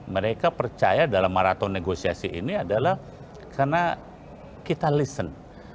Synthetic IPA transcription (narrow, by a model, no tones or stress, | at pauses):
məɾekapərt͡ʃa̰jadalamːaɾat̪ɔnːeɡosiasiʔḭniadalah | kʰarna | kit̪alisən